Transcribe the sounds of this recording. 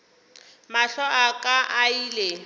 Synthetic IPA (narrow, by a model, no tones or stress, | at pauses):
maɬɔʔakʼaʔaiːle